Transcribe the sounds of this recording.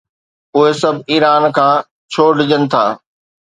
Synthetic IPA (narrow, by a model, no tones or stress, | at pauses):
ʊɦesɐbʱiːɾaːnkʰãː | t͡ɕʰoːɖɪd͡ʑənɪ̆t̪ʰa̰ː